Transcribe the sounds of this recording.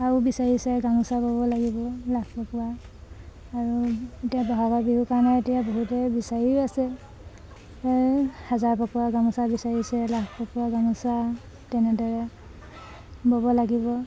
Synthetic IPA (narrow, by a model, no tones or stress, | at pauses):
abisaɹisɛɡaŋusabɔbɔlaɡibɔlakʰpɔkuwaː | ɹuetijabɔɦaɡabiɦukanaetijaboɦutɛbisaɹiasɛ | hazaɹpɔkuaɡamusabisaɹisɛlakʰpɔkuaɡamusa | tɛnɛdɔɹɛ | bɔbɔlaɡibɔ